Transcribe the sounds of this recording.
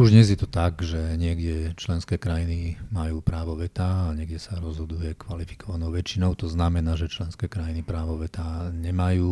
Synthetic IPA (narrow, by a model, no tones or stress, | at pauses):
uʒɲɛzjɛt̪ɔt̪aɡʒɛɲɪɛɡɟɛt͡ʃlɛnskɛːkɾajinimajuːpɾaːʋɔʋɛt̪aːɲɪɛɡɟɛsaɾɔzɦɔd̪ujɛkʋalifi̥kɔʋanɔʊʋɛt͡ʃinɔʊt̪ɔznamɛnaːʒɛt͡ʃlɛnskɛːkɾajinipɾaːʋɔʋɛt̪aɲɛmajuː